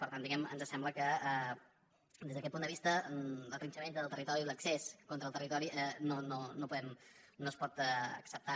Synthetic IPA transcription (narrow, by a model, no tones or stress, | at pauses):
pəɾt̪and̪iɣɛmə̰nzəsɛmbləkəɛ | d̪ezðəkɛt̪̚pund̪əβist̪ələt̪int͡ʃəmẽnt̪əðəlˠt̪ərit̪ɔɾiləkseskɔnt̪ɾəlˠt̪ərit̪ɔɾiʔɛnononopuðɛmnoəspɔt̪ɛə̰ksəp̚t̪a